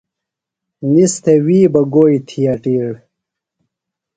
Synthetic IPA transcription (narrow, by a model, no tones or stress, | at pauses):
nist̪ʰewiːbɐɡoːjt̪ʰijɐʈiːɽ